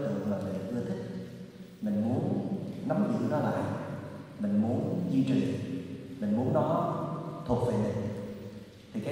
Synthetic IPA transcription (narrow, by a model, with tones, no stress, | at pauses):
t̪ɨ̰˧˨laː˨˩ve˨˩ʔɨ˧ət̪ʰï˦˥k̚ | mï˨˩ŋ̟mu˨˦ənna˨˦mzɨ̰˧˨nɔ˨˦la̰ː˧˨jʔ | mï˨˩ŋ̟mu˨˦ənzwi˧t͡ɕi˨˩mï˨˩ŋ̟mu˨˦nɗɔ˨˦t̪ʰʊ˨˩k̚vḛ˧˨˩mi˨˩ŋ | t̪ʰi˨˩ka˨˦